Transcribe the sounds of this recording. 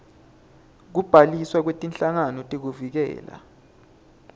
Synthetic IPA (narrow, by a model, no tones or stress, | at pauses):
k̬ub̥ʱaliswak̬wetʼinɬaŋanɔtʼik̬uvik̬ɛ̰ːla̰